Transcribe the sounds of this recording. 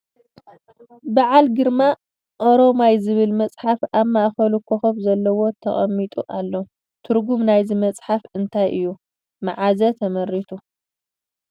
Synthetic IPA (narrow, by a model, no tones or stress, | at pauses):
baʕalɡɨɾma | ʔo̞ɾo̞majzɨβɨlmɐt͡sʼħafaβmaʔxɐlukʰːoxɐmzɐlːɐwo̞t̪ʰɐ̰χʼɐ̰mːit̪ʼuʔalːo | t̪ʰɨɾɡumnajzimɐt͡sʼħafɨnt̪ʰajʔɨjːu | maʕazɐt̪ʰɐmɐɾit̪ʰu